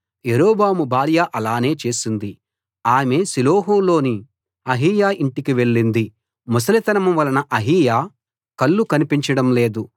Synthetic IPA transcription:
jeɾoːbaːmubʱaːɾjaʔɐlaːne̞ːt͡ʃe̞ːsind̪i | aːme̞ːsiloːɦoːlo̞ːni | ɐɦiːjaːʔiɳʈikiʋe̞ɭːind̪i | mus̬ɐlit̪ɐnɐmɐmʋɐlɐnɐʔɐɦiːjaː | kɐɭːukɐnipiɲt͡ʃɐɽɐmle̞ːd̪u

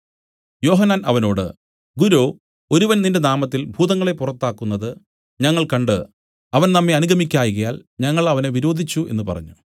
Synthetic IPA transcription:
jo̞ːɦɐnːaːnɐʋɐno̞ːɽɨ̰ | ɡuɾoː | o̞ɾuʋɐnninde̞naːmɐt̪ːilbʱuːðɐŋːɐɭe̞purɐt̪ːaːkːunːɐðɨ | ɲɐŋːɐɭkɐɳɖɨ | ɐʋɐnnɐmːeɐnuɡʱɐmikʲːaːjɣɐjaːlɲɐŋːɐɭɐʋɐneʋiɾo̞ːd̪ʱit͡ɕːuʔe̞̰nːɨpɐ̰rɐ̰ɲːu

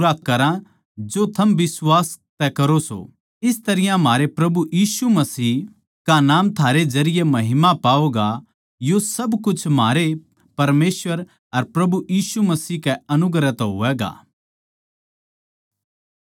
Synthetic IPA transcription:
ɾaːkːɐɾã | d͡ʒot̪ʰɐmʋɪswaːst̪ɛkɐɾoso̰ | ɪst̪ɐɾɪjãmaːɾepɾɐbujiːsumɐsiː | kanaːmt̪ʰaːɾed͡ʒɐɾɪjemɐɦɪmapaːoːɡa | josɐbkʊt͡ʃʰmaːɾe | pɐɾmeːsʋəɾ | ɐɾpɾɐbujiːsumɐsiːkɛɐnʊɡɾɛt̪ɦʊ̰ʋɛːɡa̰ː

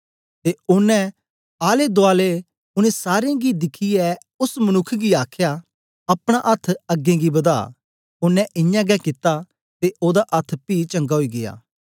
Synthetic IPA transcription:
t̪eʊnɛ̃ | aːled̪oaːle | ʊnɛ̃saːɾeẽɡid̪ɪkʰiɛ | ʊsmɐnʊkʰːɡiaːkʰjaː | ɐpɽ̃aʔɐt̪ʰːɐɡẽːɡibɐd̪a̰ː | ʊnːɛ̃ʔɪjãːɡɛkɪt̪ːa | t̪eʔoːd̪aʔɐt̪ʰːpiːt͡ʃɐ̃ŋɡaɦoiːɡɪ̰ja̰ː

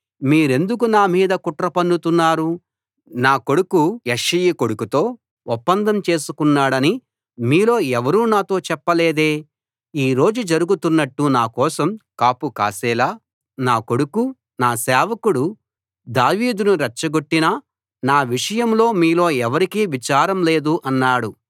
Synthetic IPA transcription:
miːɾe̞nd̪uk̬unaːmiːd̪ɐkuʈɾɐpɐndut̪unːaːɾu | naːko̞ɽukujeʂijikoɽukut̪o̞ː | ɔpːɐnd̪ʱɐmt͡ʃe̞ːsu̥kunːaːɽɐni | miːlo̞ːɛʋɐɾuːnaːt̪o̞ːt͡ʃɛpːɐleːd̪e̞ː | iːɾo̞ːd͡ʒud͡ʒɐɾuɡut̪unːɐʈːunaːkɔːsɐmkaːpuka̰ːsɛːlaː | naːko̞ɽuku | naːsɛːʋɐkuɽu | d̪aːʋiːd̪unuɾɐt͡ʃːɐɡoʈːinɐ | naːʋiʂɐjɐmlo̞ːmiːlo̞ːɛʋɐɾikiːʋit͡ʃaːɾɐmle̞ːd̪uʔɐnːaːɽu

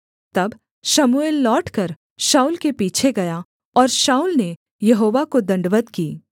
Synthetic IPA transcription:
t̪ɐb | ʃɐmueːlːɔːʈkɐɾ | ʃaːuːlkepiːt͡ʃʰeɡɐja | ɔːɾʃaːuːlne | jɐɦoːʋakod̪ɐ̃ɳɖʋət̪kiː

